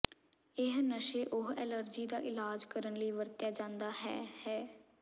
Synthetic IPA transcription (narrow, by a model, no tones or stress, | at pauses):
ɪɦnəʃeːʔʊɦɛːləɾd͡ʒiːd̪aːʔɪlaːd͡ʒkəɾənləiːʋəɾt̪jaːd͡ʒãːnd̪aːɦɛːhɛː